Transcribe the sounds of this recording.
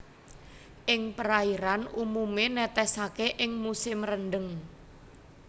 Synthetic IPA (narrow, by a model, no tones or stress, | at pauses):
ʔɪŋpəɾaiɾanumumenɛt̪ɛsakeʔɪŋmusɪmrənɖəŋ